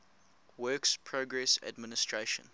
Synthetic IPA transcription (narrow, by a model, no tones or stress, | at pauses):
wɜːˑkspʰɹoɡɹɛsa̰dmɪnɪstʰɹ̥eʃə̰̃n